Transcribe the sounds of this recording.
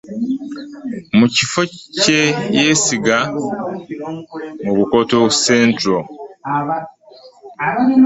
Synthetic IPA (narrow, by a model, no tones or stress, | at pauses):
mucifo̞cejeːsiɡa | muβuko̞touseːntɾo